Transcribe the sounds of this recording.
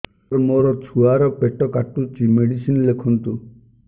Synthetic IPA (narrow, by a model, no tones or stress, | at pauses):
ɾmoɾɔt͡ʃʰuaɾɔpeʈɔkaʈut͡ʃimeɽisinlekʰɔnt̪u